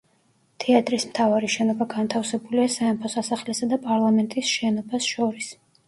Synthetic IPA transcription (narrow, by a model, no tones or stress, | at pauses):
t̪ʰɛat̪ʼɾismt̪ʰavaɾiʃɛnɔbaɡant̪ʰafsɛbuliasaɛmpʰɔsasaχlɛsad̪apʼaɾlˠamɛnt̪ʼisʃɛnɔbasʃɔɾis